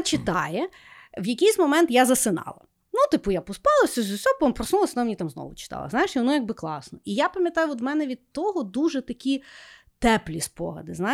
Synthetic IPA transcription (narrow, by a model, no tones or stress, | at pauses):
t͡ʃɪt̪ɑ̰jɛ | wjɐkʲijsʲmɔmɛnt̪jazɐsɪnɑ̰lˠɐ̰ | nut̪ɪpʊjapɔspɑlˠɐsʲɐzʊsʲɔɔpɔpɾɔsnulˠɐsʲɐnɔmenʲit̪amznɔ̰ʋʊt͡ʃɪ̥t̪ɑ̰lˠɐ̰zajɪʃɔnɔjaɡ̚bɪklˠɑsnɔʔijapɐmʲjɐt̪ɑjʊɔt̪mɛnɛʋʲid̪̚t̪ɔɦɔd̪uʒɛt̪ɐkʲi | t̪ɛplʲispɔ̰ɦɐ̰d̪ɪzna